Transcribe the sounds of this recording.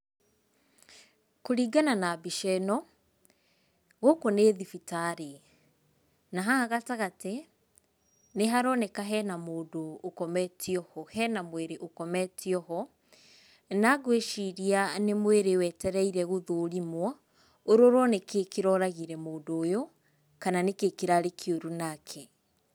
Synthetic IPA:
koɾiːɡananabiʃɛnɔ | ɣokoneːðifitaɾe | naɦaɣataɣate | neɦaɾɔnekaɦɛnamoːdoːkɔmɛtʰiɔhɔhɛnamweɾeʔokɔmɛtiɔɦɔ | naɣweʃiɾianemweɾewɛtɛɾɛiɾɛɣoðoɾimwɔ | oɾoɾwɔnekekeɾɔɾaɣiɾɛmoːndoːjo | kananekekiɾaɾekʰioɾunakʰɛ

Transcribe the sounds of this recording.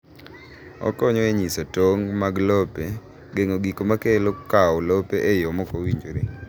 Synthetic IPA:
ɔ̰kɔɲɔeɲisotoŋmaɡlɔpe | ɡeŋoɡikomakelokaɔlɔpeʔejɔmɔkowiɲd͡ʒoɾe

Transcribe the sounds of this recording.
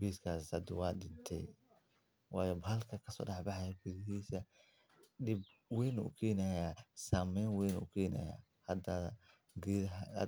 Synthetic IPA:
biskʰaːsɐd̪ʊwɑːɗɪnt̪ʰɛ̰j | wɑːjɔbhɐlkʰɐkʰɐsɔ̰ːɖɑħbɑħɑjɐɡʊðɪɦiːsɐ | ɗɪb̚ | wɛjnṵkʰɛːnɐjasaːmɛjnwɛnukʰɛːnɐ̰ja̰ː | hɐd̪ɐ | ɡ

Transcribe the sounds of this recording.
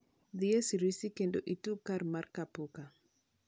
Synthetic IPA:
ðiesiɾisikendoʔitukaɾmarkapuka

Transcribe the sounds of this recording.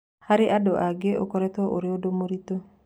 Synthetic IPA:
haɾɪʔadɔʔaɡeʔo̰kɔɾɛt̪ɔʔoɾɪodomoɾit̪o

